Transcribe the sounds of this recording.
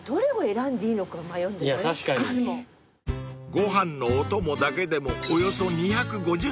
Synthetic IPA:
d̪̥o̞ɾe̞ɡoe̞ɾãnd̪eiːno̞kaomajõ̞nd̪ejamaaɕi̥kaɲiemo | ɡo̞ɦãnːo̞ːt̪o̞mo̞d̪ake̞d̪e̞mo̞ːjo̞so̞ɲ̟içakɯ̟ɡo̞ʑɨ

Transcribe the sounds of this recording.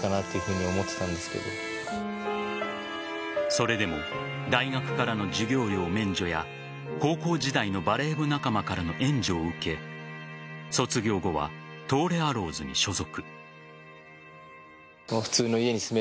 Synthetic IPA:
kanat̪ːejɯ̟hɯ̟ːɲ̟io̞mo̞t̪ːet̪ãnd̪esɨ̥ke̞̰d̪o̞̰ | so̞ɾe̞d̪e̞mo̞ | d̪aiɡakɯ̟̥kaɾano̞d͡ʑiɡʲo̞ːɾʲo̞ːmẽ̞ɲd͡ʑo̞ja | ko̞ːko̞ːd͡ʑid̪aino̞baɾe̞ːbɯ̟nakamakaɾano̞ʔẽ̞ɲ̟d͡ʑoːɯ̟ke̞ | so̞t͡sɨɡʲo̞ːɡo̞βa̰t̪o̞ːɾe̞aɾo̞ːzɨɲ̟ḭɕo̞zo̞kɯ̟̥ | moɸɯ̟̥t͡sɨːno̞ie̞ɲ̟isɨme

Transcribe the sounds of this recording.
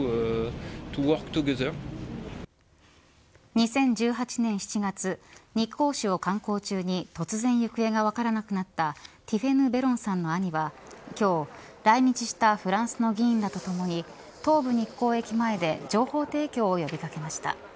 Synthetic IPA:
t̪uwokt̪oɡesao | ɲ̟isẽ̞ɲ̟d͡ʑɨːɦat͡ɕinẽɰ̃ɕi̥t͡ɕiɡat͡sɨɲ̟ikːo̞ːɕio̞kãŋko̞ːt͡ɕɨːɲ̟it̪o̞t͡sɨzẽ̞ɰ̃jɯ̟kɯ̟e̞ɡaβakaɾanakɯ̟nat̪ːat̪ʲiɸe̞nɯ̟be̞ɾõ̞ɰ̃sãnːo̞aɲ̟iβakʲo̞ːɾaiɲit͡ɕiɕi̥t̪aɸɯ̟ɾãɰ̃sɨno̞ɡʲĩːnd̪at̪o̞t̪o̞mo̞ɲ̟i | t̪o̞ːbɯ̟ɲ̟ikːo̞ːe̞kʲimae̞d̪e̞d͡ʑo̞ːho̞ːt̪e̞ːkʲo̞ːjo̞bʲikake̞maɕi̥t̪a̰

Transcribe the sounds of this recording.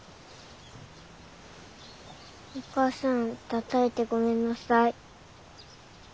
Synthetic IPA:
okaːsãnt̪at̪ae̞t̪e̞ɡo̞mẽ̞nːasai

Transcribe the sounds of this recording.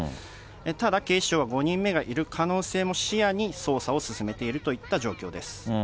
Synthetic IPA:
et̪ad̪ake̞̥ːɕoːβaɡo̞ɲ̟ĩmːe̞ɡaʔiɾɯ̟kʰano̞ːse̞ːmo̞ɕijaɲ̟iso̞ːsao̞sɨsɨme̞t̪e̞iɾɯ̟t̪o̞it̪ːaʑo̞ːkʲo̞ːd̪e̞sɨ̥

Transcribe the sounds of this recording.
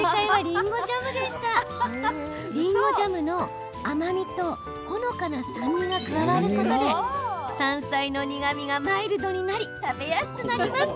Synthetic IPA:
kaiβaɾʲĩŋɡo̞ʑamɯ̟d̪e̞ɕi̥t̪a | ɾʲĩŋɡo̞d͡ʑamɯ̟no̞ | amamʲit̪o̞ | hono̞kanasãɲːiɡakɯaɡaɾɯ̟ko̞t̪od̪e̞sãɰ̃saino̞ɲiɡamʲiɡamaiɾɯ̟d̪o̞ɲ̟inaɾʲit̪abe̞jasi̥t̪onaɾimasɨ̥

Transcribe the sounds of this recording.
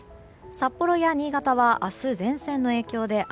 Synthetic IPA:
sapːo̞ɾo̞jaɲ̟iːɡat̪aβaʔasɨzẽ̞ɰ̃sẽ̞nːo̞e̞ːkʲo̞ːd̪e̞ʔ

